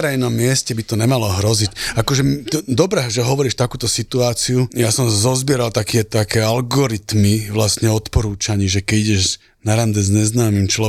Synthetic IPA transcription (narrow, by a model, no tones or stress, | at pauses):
ɾɛjnɔmːɪɛscɛbit̪ɔɲɛmalɔɦɾɔzicakɔʒɛt̪d̪ɔbɾɛʒɛɦɔʋɔɾiːʃt̪akuːt̪ɔsit̪uaːt͡siujasɔmsazɔzbɪɛɾalt̪akiɛt̪akɛːalɡɔɾit̪miʋlastɲɛɔt̪pɔɾuːt͡ʃaɲɛʒɛkɛɟiɟɛʒ | naɾand̪ɛzɲɛznaːmimt͡ʃlɔ